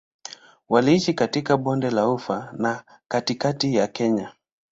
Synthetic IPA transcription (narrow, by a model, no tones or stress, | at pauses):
waliiʃikatikaɓɔndɛlaufana | katikatijakɛɲa